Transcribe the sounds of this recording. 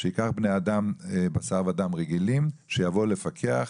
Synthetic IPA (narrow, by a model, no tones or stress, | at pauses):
ʃeikaχbnejad̪ambasaʁvad̪amʁeɡilimʃejavole̞fakʰeaχ